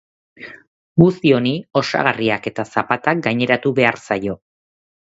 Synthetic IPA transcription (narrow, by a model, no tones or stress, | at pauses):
ɡust̪io̞nio̞sa̰ɣariake̞t̪asapat̪ak̚ɡaɲe̞ɾat̪uβe̞aɾsajo̞